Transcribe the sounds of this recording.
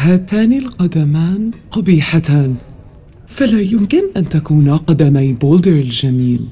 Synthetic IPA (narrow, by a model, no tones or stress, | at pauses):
haːt̪aːnɪlqɑd̪amaːnqɑbiːħat̪aːn | falaːjʊmkɪnʔant̪akuːnaqɑd̪amajboːld̪ɪɾɪld͡ʒamiːl